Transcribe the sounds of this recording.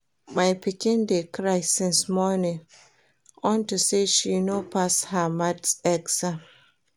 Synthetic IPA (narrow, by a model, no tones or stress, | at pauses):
majpikĩndekɹaɪsɪ̃nsmɔnĩŋ | ɔ̃ntuseʃinopashamadsɛɡsãm